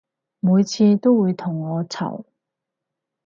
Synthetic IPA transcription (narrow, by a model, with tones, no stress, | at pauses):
muː˨˧jt͡sʰiː˧t̪o˥wwuː˨˧jt̪ʰʊ˨˩ŋːɔː˨˧t͡sʰɐ̰˨˩w